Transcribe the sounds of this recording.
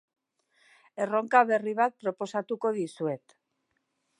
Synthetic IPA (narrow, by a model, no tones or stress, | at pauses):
e̞ro̞ŋkaβe̞riβat̪̚pɾo̞po̞sat̪uko̞ðisue̞t̪